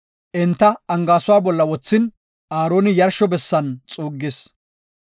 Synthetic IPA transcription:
ʔɛnt̪ːɐɐŋɡaːsʊwaːbɔlːɐwɔt͡sːɪn | aːɾoːnɪjɐɾʃɔbɛsːɐnt͡sʼuːɡːɪs

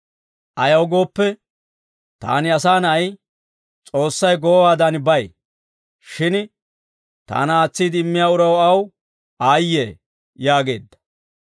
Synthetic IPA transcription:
ʔɐjɐwɡo̞ːpːɛ | t̪a̰ːnɪɐsaːnɐj | t͡sʼo̞ːsːɐjɡoːwaːd̪ɐnbɐj | ʃɪn | t̪a̰ːnɐaːt͡sːiːd̪ɪmːɪjaːʊɾɐwɐw | aːjːḛː | jaːɡe̞̰ːd̪ːɐ̥

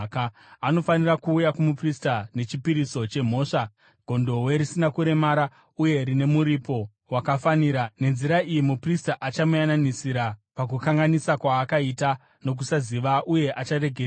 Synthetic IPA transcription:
ka | ano̞fanirakuːjakumupristane̞t͡ʃipiɾiso̞t͡ʃe̞m̤o̞ːʂa | ɡ̥ʱo̞ndo̞we̞ɾisinakuɾe̞maːɾa | uje̞ɾine̞muɾipo̞ | wakafaniːɾane̞nziɾaijimupristaʔat͡ʃamujananisiɾapakukaŋɡanisakwaːkaita | no̞k̬usaziʋaʔuje̞ʔat͡ʃare̞ɡʱer

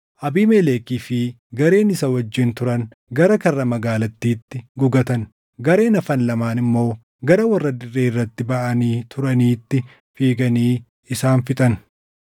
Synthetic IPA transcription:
ʔɐbiːmeleːkiːfɪ | ɡɐɾe̞ːnɪsɐwɐd͡ʒːɪnt̪ʊɾɐn | ɡɐɾɐkɐrːɐmɐɡaːlɐt̪ːiːt̪ːɪɡʊɡɐt̪ɐn | ɡɐɾe̞ːnɐfɐnlɐmaːnɪmːo̞ː | ɡɐɾɐwɐrːɐd̪ɪrːe̞ːɪrːɐt̪ːɪbɐʔɐniːt̪ʰʊɾɐniːt̪ːɪ | fiːɡɐniː | ɪsaːnfɪt̪ʼɐn

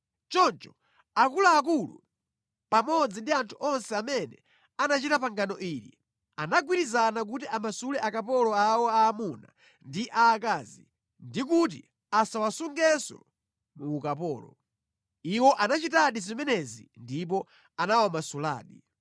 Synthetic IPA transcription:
t͡ʃɔnt͡ʃɔ̥ | akulaːk̬ulṵ | pamɔd͡zindiantʰuʔɔnsɛamɛnɛ̰ | anat͡ʃitapaŋɡanɔʔiɾḭ | anaɡwiɾizanak̬utiamasulɛʔakapɔlɔawɔaːmuna̰ | ndiʔaːkaːzi | ndik̬ut̬ḭ | asawasuŋɡɛsɔ̰ | muːkapɔːlɔ̰ | iwɔʔanat͡ʃitaɗizimɛnɛzḭndip̬ɔ | anaɔmasula̰ːɗi

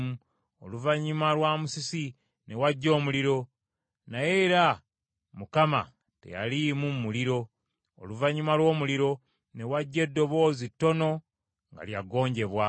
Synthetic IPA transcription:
u | oluvaɲumalwaːmusisi | ne̞waɟːo̞ːmuliɾo̞ | naje̞ɾa | mukama̰ | te̞̰ja̰limumuliɾo̞̰ː | luvaɲumalwo̞ːmuliɾo̞ | ne̞waɟːe̞dːo̞βo̞ːzitːo̞no̞ | ŋɡa̰ljaɡo̞ːɲɟe̞βwa

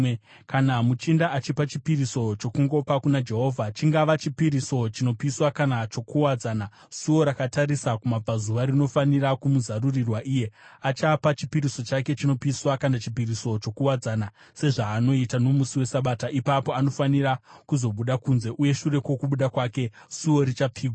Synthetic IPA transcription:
kanamut͡ʃindaʔat͡ʃipat͡ʃipiɾiso̞t͡ʃo̞kuŋɡo̞pakunad͡ʒe̞ɦo̞ːvʱat͡ʃiŋɡaʋat͡ʃipiɾiso̞t͡ʃino̞piswakanat͡ʃo̞kuwad͡zaːna | suwo̞ɾakataɾisakumab͡vazuʋaɾino̞fanirakumuzarurirwaʔiːje̞at͡ʃapat͡ʃipiɾiso̞t͡ʃake̞t͡ʃino̞piswakanat͡ʃipiriso̞t͡ʃo̞kuwad͡zaːna | se̞ʐaːno̞itano̞musiwe̞saɓaːtaʔipapo̞ano̞fanirakuzo̞ɓuɗakunze̞ʔuje̞ʃure̞kwo̞kuɓuɗakwaːke̞ | suo̞ɾit͡ʃap͡fiːɡʱwa

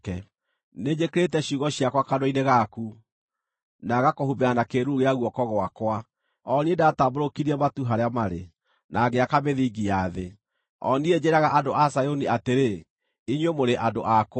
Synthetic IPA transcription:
kɛ | ned͡ʒekeɾetɛɕuɣɔɕiakwakadoineɣaku | naɣakohubɛanakeɾuɣeaɣwɔkɔɣwakwa | ɔniedataboɾokiɾiɛmatuɦaɾeamaɾḛ | nʔaɡeakameðiɡiaðe | ɔ̰nied͡ʑeɾaɣaʔadoʔasajoniateɾe | iɲwemoɾeʔadoʔak

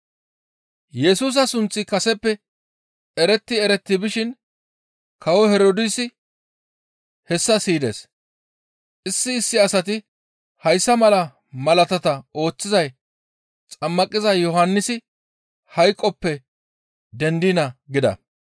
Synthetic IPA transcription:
jɛsuːs̬ɐsʊnt͡sʼːɪkɐsɛpːɛ | ɛɾɛt̪ːɪɛɾɛt̪ːɪbɪʃɪn | kɐwɔhɛɾod̪ɪsɪ | hɛsːɐsiːd̪ḛːs | ʔɪsːɪːsːɪɐsɐt̪̬ɪ | hɐjsːɐmɐlɐ | mɐlɐt̪ɐt̪ɐo̞ːt͡sːɪzɐj | t͡sʼɐmːɐkʼɪzɐjjɔhɐnːɪsɪ | hɐjkʼːɔpːɛ | d̪ɛnd̪ɪnɐɡɪd̪ɐ̰

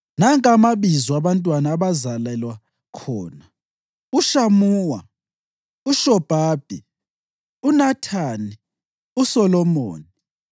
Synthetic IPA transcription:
naŋʼamaβizɔaβantʼwanaːβazalɛlwa | kʰɔ̰ːna | uʃamuːwa | uʃɔb̥ʱaːb̥ʱi | unatʰaːni | usɔlɔmo̰ːni

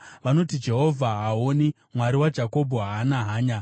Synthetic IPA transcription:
ʋano̞tid͡ʒe̞ɦo̞vʱaɦaɦoni | mwaɾiwad͡ʒako̞bʱoɦaːnaɦaːɲa

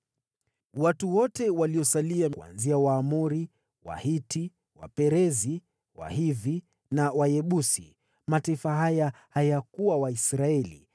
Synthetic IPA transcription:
watuwɔtɛwaliɔsaliaua̰nziawaːmuɾi | wa̰hiti | wa̰pɛɾɛzi | wa̰hiði | nawajɛɓusḭ | mataifaɦajahajakuwawaisɾaɛlḭ

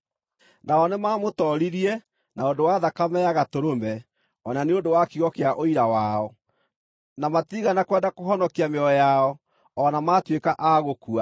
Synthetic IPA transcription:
naɔnemaːmotɔɾiɾiɛ | naondowaðakamɛaɣatoɾomɛ | ɔnaneondowakiɣɔkeaʔoiɾawaɔ | namatiːɣanakwɛːndakoɦɔnɔkiameɔjaɔ | ɔnamaːtwekaʔaɣokua

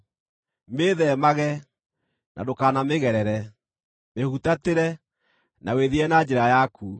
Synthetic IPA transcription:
meːðɛmaɣɛ | nʔa̰dokaːnameɣɛɾɛɾɛ | mehutateɾɛ | naweðiɛnad͡ʒeɾajakʰu

